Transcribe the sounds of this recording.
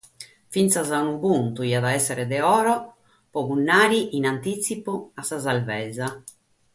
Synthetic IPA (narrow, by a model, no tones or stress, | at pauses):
fint̪sazaunuβunt̪uiaðaɛsːɛɾɛd̪ɛɔːɾɔ | pɔɣunːaːɾiʔinant̪isipuasazalvɛza